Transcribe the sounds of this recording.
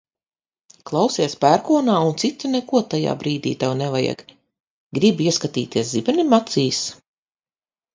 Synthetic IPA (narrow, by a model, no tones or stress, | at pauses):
klˠawsiɛspæɾkuɔnaːunt̪sit̪inɛkuɔt̪aja̰ːbɾiːd̪ḭːt̪awnɛvajɛ̰ɡ | ɡɾibiɛskat̪ḭːt̪iɛszibɛnimat̪siːs